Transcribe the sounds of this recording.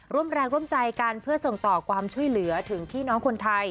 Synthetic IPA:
ɾu˥˩əmɾɛː˧ŋɾu˥˩əmt͡ɕa˧jka˧npʰɯ˥˩ɐso˨˩ŋt̪ɔː˨˩kʰwaː˧mt͡ɕʰu˥˩əjlɯ˩˦ɐt̪ʰɯ˩˦ŋp̪ʰiː˥˩nɔː˦˥ŋkʰo˧nt̪ʰa˧j

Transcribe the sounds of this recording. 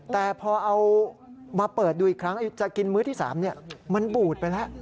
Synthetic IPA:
t̪ɛː˨˩pʰɔː˧ʔa˧wmaː˧pɤː˨˩t̪̚duː˧i˨˩kʰɾa˦˥ŋʔa˧˦ju˦˥t͡ɕa˨˩ki˧nmɯː˦˥t̪ʰiː˥˩sa̰ː˩˦mni˥˩ɐma˧nbuː˨˩t̪̚pa˧jlɛ˦˥ʔ

